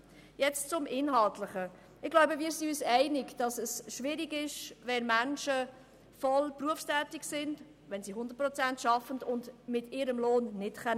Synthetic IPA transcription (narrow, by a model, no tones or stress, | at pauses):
jɛt͡st͡sʊmʔɪnɦɑltləχə | ɪɡlaʊbəviːɾsiyːsɛɪnɪkd̥ɑsɛsʃʋɪɾiɡɪʃvɛnmænʃə | fɔlpruəfstæːtɪksɪnd̥ | vɛnsiɦʊndəɾt̚pʁɔt͡sæntʃɑfəndʊndmɪtɪːɾəmloːnːɪtkɛn